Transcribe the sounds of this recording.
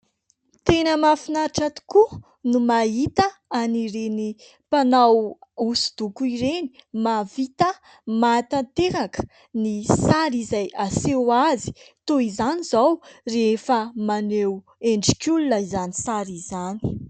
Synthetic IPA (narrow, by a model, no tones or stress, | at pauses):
t̪enəmafinaɾiʈ͡ʂat̪u̥ku | numait̪əaniɾeni | panawusu̥d̪̥ukuiɾeni̥mavit̪ə | mat̪ant̪eɾakə̥ | nisaɾizajasewazi̥t̪oizanizawrefəmanew | eɳɖ͡ʐikʲulunəizanisaɾizani̥